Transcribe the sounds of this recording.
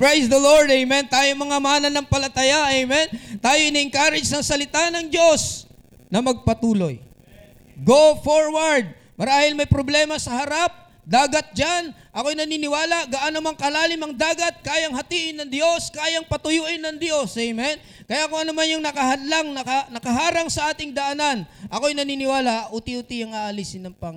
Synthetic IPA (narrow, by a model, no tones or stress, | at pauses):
pɹejsd̪ɐloɹd̪ɛjmɛnt̪aːjoŋmɐŋamaːnɐnɐŋpɐlɐt̪ɐjaʔɛjmɛnt̪aːjoʔɪniʔɪŋkaːɾɪd͡ʒnɐŋsɐlɪt̪anɐŋd͡ʒo̞s | nɐmɐɡ̚pɐt̪uːlo̞j | ɡofoɹwɐɹd̪̚ | mɐɾaːhɪlmɐjpɾoblɛːmɐsɐhɐɾap̚ | d̪aːɡɐt̪̚d͡ʒanʔɐkojnɐninɪwaːlɐɡɐʔanomaŋkɐlaːlɪmɐŋd̪aːɡɐt̪̚kaːjɐŋɦɐt̪iːʔɪnːɐŋd̪jo̞skaːjɐŋpɐt̪ʊjuːʔɪnɐŋd̪jo̞sɛjmɛn | kɐjakʊŋɐnɐmanjʊŋnɐkɐhɐd̪laŋnɐkɐnɐkɐɦaːɾɐŋsɐʔaːt̪ɪŋd̪ɐʔnanʔɐko̞jnɐninɪwaːlaʔʔut̪iʔut̪iɐŋaʔɐlisɪnɐŋpɐ